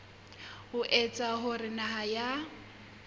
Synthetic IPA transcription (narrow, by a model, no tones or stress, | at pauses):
hʊʔɛt͡sʼaɦʊrɪnaɦaja